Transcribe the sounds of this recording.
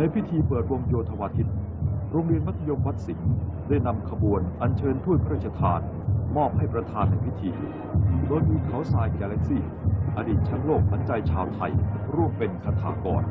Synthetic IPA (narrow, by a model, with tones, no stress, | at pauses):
na˧jpʰi˦˥t̪ʰiː˧pɤː˨˩t̪̚wo˧əmjoː˧t̪ʰa˧waː˧t̪ʰi˦˥t̪̚ | ɾoː˧ŋɾi˧ənma˦˥t̪ʰːa˧jo˧mwa˦˥t̪̚si˩˦ŋda˥˩jna˧mkʰa˧bu˧ənʔa˧nt͡ɕʰɤː˧np̪ʰu˥˩t̪̚ʰɾaː˥˩t͡ɕʰa˧t̪ʰaː˧n | mɔː˥˩p̚ha˥˩jpɾa˧t̪ʰaː˧nːa˧˩jpʰi˦˥t̪ʰiː˧ | doː˧jmiː˧kʰa˨˩˦wsaː˧jkaː˧lɛ˦˥k̚si˥˩ | ʔa˧diː˨˩t̪̚t͡ɕʰa˦˥ŋloː˥˩k̚sa˩˦nt͡ɕa˧jt͡ɕʰaː˧wt̪ʰa˧jɾu˥˩əmpe˧nkʰa˧t̪ʰa̰ː˩˦kɔ̰ː˧n